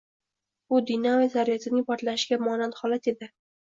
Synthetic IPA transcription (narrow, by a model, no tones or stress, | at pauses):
ʊd̪inawezaɾijat̪ʰɪnɪŋʲpʰɒɾt̪laʃɪɡʲamɒnalhɒlat̪e̞d̪ɪ